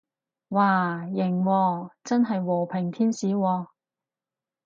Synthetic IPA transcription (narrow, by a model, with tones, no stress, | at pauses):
waː˨˩jɪ˨˩ŋwɔː˧t͡sɐ˥nɦɐ˨jwɔː˨˩pʰɪ˨˩ŋt̪ʰiː˥nsiː˨˥wɔː˧